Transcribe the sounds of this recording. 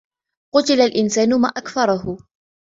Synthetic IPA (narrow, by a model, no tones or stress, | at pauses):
qʊt̪ɪlalʔɪnsaːnʊma̰ːʔakfɑɾˤɑɦʊ